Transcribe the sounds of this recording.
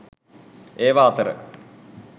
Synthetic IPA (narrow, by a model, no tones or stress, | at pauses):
eːʋaːt̪əɾə̰